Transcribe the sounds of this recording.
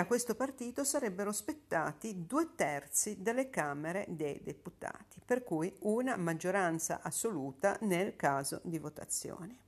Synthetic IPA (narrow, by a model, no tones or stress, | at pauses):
akːwest̪opart̪iːt̪osaɾɛbːeɾospet̪ːaːt̪id̪uːet̪ɛrt̪sid̪elːekaːmeɾed̪ejd̪ḛput̪a̰ːt̪i̥perkujunamad͡ʒːoɾant̪sa̰ʔasːoluːt̪a̰nelkaːzo̰d̪ivot̪a̰t̪sːjo̰ːne